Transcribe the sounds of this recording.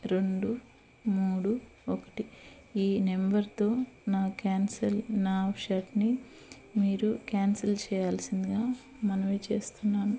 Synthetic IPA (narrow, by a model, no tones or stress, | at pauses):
ɾe̞ɳɖu | muːɽuokɐ̥ʈi | iːne̞mbɐɾt̪o̞ːnaːkaːnsɐlnaːʂaːʈni | miːɾukjaːnsɐlt͡ʃɛːjaːlsind̪iɡaː | mɐnɐʋeːt͡ʃe̞ːst̪unːaːnu